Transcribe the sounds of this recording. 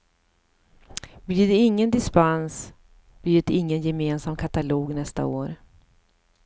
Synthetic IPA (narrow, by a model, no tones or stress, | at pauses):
bliːd̪ɛɪŋːənd̪ɪspans | b̥liːd̪ɛɪŋːənjɛmeːnsamkʰat̪aloːɡnɛst̪a̰oːɾ